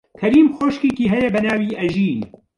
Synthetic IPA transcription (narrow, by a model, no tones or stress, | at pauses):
kʰɐɾiːmxoːʃkiːkiːɦɛjɛbɐnaːwiːʔɐʒiːn